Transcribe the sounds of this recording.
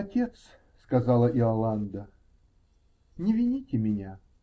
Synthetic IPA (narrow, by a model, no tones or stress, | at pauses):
ɐtʲe̞t̪s | skɐzɑlˠəʔɪɐlˠand̪ə | nʲɪvʲɪnʲitʲɪmʲɪnʲa